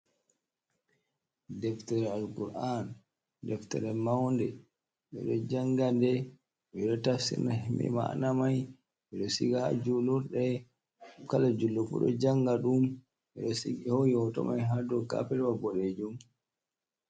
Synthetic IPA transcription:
dɛftɛɾɛalkuɾan | dɛftɛ̰ɾɛmawndɛ | ɓɛ̰ɗɔd͡ʒaŋɡandɛ | ɓɛɗɔtasḭnamḭma̰namaj | ɓɛɗɔsiɡaa̰d͡ʒuluɾɗɛ | kalad͡ʒulːɔfṵɗɔ̰d͡ʒaŋɡaɗum | ɓɛɗɔsiɡihɔjɔtɔ̰majɦadɔka̰pɛɾwabɔɗed͡ʒum

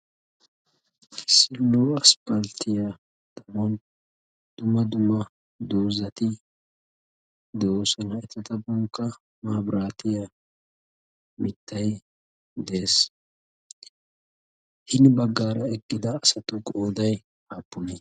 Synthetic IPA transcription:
ɪsːɪlːoɐspɐlt̪ʰɪja | d̪̥ɐmɔn | d̪̥ʊmɐd̪ʊmɐ | d̪oːzɐt̪ɪ | d̪oːsɔnhɐʔɛt̪ːɐt̪ɐbɔŋkːɐ | maːbɾaːt̪ɪja | mɪt̪ʰːɐj | d̪e̞ːs | hɪnbɐɡːaːɾɐɛkʼːɪd̪ɐːsɐt̪ʊkʼoːd̪ɐj | aːpːʊnɛ

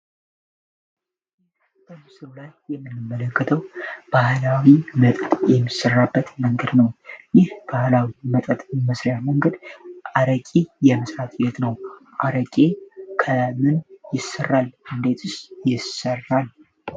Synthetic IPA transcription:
bəmɨsɨɾlajːɛmːɨnːɨmːələkːət̪ʰəwb̥ahlawimət̪ʼət̪ʼjɛmːisːɨrːabːət̪məŋɡəd̪nəwjɪhb̥ahlawimət̪ʼət̪ʼməsɾjaməŋɡəd̪ʔaɾəkʼijɛməsɾat̪ʰʼjɛt̪nəwʔaɾəkʼekʰəmɨnjɪsːərːalɨnd̪e̞t̪ʰɨsjɪsərːal

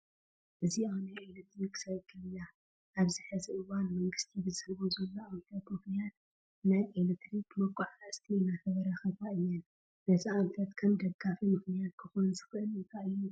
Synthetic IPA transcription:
ʔɨziawnajelet̪ɾiksɐβɡɐlɨɲːa | ʔaβzɨħɨziʔɨwanmɐŋɡɨst̪ʰibɨzɨlβozɐlːoʔamfɐt̪mɨxnijat̪ | najʔelet̪ɾikmɐkʷʼːaʕlast̪ʰinafɐβɐɾaxɐβaʔɨjːɛn | nɐziamfɐt̪kʰɐmd̪ɐɡafimɨxnijat̪kʰɨxonzɨxɨʔɨlɨŋkʰaʔɨjːu

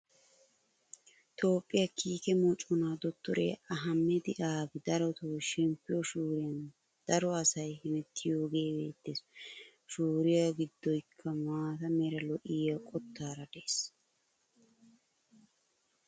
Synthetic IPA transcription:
t̪ʰo̞ːpʼːɪjɐkʰiːkɛmɔt͡ʃʼɔnaːd̪ɔt̪ːɔɾḛːɐɦɐmːɛd̪ɪʔaːɡɪd̪ɐɾɔt̪uːʃɛmpːɪjɔʃuːɾɪjɐn | d̪̥ɐɾɔɐsɐjhɪmɛt̪ʰːɪjo̞ːɡe̞ːbḛːt̪ːɪs | ʃuːɾɪjaɡɪd̪ːɔjkʰːɐmaːt̪ɐmɛɾɐlɔʔɪjakʼɔt̪ʰːaːɾɐd̪eːs

